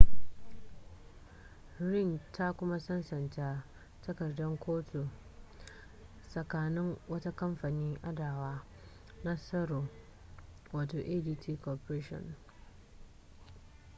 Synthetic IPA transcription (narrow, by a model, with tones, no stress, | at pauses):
ɾɪ˦˨ŋtʰa˦kʷʊ˦ma˦sɐ˦nsɐ˨ntaː˦ | tɐ˦kɐ˨rdɔ˦ŋkʷʰoː˦tʰu˨ | sɐ˨kaː˨nɪ˦ŋwɐ˦ta˦kɐ˦mɸa˨niː˦ŋʔa˦daː˨waː˦ | na˦sɐ˦ɾoː˨ | waː˨toː˨ʔeː˦diː˦tʰiː˦koː˨pɾeː˦ʃɔ̰˨n